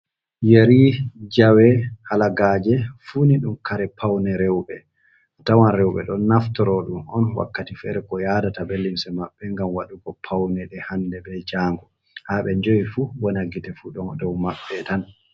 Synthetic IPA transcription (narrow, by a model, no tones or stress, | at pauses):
jeɾid͡ʒawɛhalaɡad͡ʒɛfuniɗumkaɾɛpʰawnɛɾɛwɓɛ | tawanɾɛwɓɛ̰ɗɔnːaftɔɾɔɗumɔnwa̰kːatifɛɾɛkɔjadatabelːimsɛmaɓːɛŋɡamwaɗuɡɔpʰawnɛɗɛhandɛbɛd͡ʒaːŋɡɔ | haɓɛɲd͡ʒowifuwɔnaɡitɛfuɗɔdɔwmaɓːɛtan